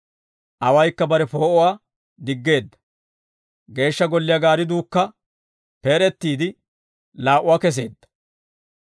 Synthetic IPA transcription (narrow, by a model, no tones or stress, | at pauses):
ʔɐwɐjkːɐbɐɾɛfo̞ːʔɔwaː | d̪ɪɡːe̞ːd̪ːɐ̥ | ɡe̞ːʃːɐɡɔlːɪjɐɡaːɾɪd̪uːkːɐ | peːɾɛt̪ːiːd̪ɪ | laːʔʊwaːkɛs̬e̞̰ːd̪ːɐ̥